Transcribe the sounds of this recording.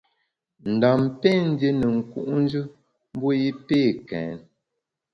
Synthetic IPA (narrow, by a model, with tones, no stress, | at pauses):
n̩˨da˨mpe˦˨n̩˦de˦nə˨ŋ̩˨kṵ˦ʔn̩˦d͡ʒɨ˦ | m̩˦bo˦ji˦peː˦˨kɛ̰ː˨˦n